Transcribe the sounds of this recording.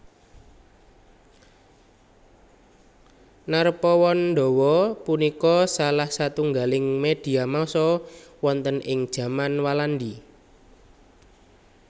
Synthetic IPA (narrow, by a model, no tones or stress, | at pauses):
narpɔwɔnɳɖɔwɔpunikɔsalahsat̪uŋɡalɪŋmed̪̥i̤amasɔwɔnt̪ənʔɪŋd̥ʒ̥ä̤manwalandi